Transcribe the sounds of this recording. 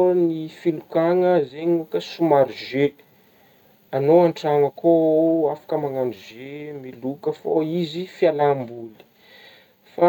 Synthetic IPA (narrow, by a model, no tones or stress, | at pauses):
nifilukaŋəzeɲiokəsumaɾiʒe | anoaɳʈ͡ʂaŋəkʰoafḁkəmaŋanɖ͡ʐizemilukəfoizifialambuli̥ | fa